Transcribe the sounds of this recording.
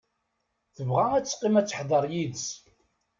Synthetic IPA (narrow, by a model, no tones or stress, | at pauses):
θəvʁææt͡sːqːimæt͡sːə̥ħðˤɑɾˤjid̪s